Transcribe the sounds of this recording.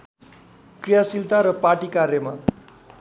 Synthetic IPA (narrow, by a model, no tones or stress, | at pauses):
krijasilt̪aɾʌpaʈikarjʌma